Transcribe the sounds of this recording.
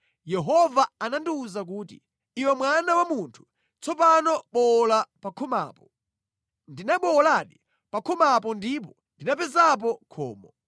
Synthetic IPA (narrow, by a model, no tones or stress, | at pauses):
jɛɦɔvaanandiuzak̬uːtḭ | iwɛmwanawamuntʰu̥ | t͡sʰɔpanɔɓɔlapakʰɔma̰ːpɔ | ndinaɓɔːlaɗi | pakʰɔmapɔndip̬ɔ | ndinapɛzap̬ɔkʰɔ̰ːmɔ